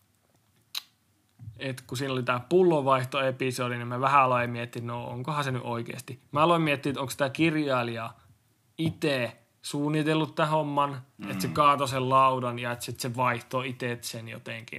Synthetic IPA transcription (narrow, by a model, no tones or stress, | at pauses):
et̪kusiːnolit̪æːpulːoʋɑiht̪oepisodinemmæʋæhæɑloˑemmiet̪ːiːt̪noo̰ŋkohɑseny̰ʔoikḛːˑst̪imæɑloimmiet̪ːinet̪oŋksit̪ækirjɑːliɑ | it̪eˑ | suːnːit̪elːut̪t̪æhomːɑnet̪sekɑːt̪osellɑudɑnjɑet̪sit̪seʋɑiht̪oːit̪eˑt̪senjo̰t̪eŋkḭn